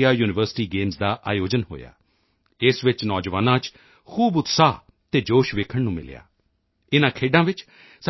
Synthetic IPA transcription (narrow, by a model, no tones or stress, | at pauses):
jaːjuːnɪʋəɾsɪ̥ʈiːɡeːmsd̪aːʔa̰ːjoːd͡ʒənɦo̰ːja̰ː | ɪsʋɪt͡ʃnɔːd͡ʒʋaːnãːt͡ʃ | kʰuːbʊt̪saː | t̪eːd͡ʒoːʃʋeːkʰəɳnũːmɪ̰lja̰ː | ɪnãːkʰeːɖãːʋɪt͡ʃ | s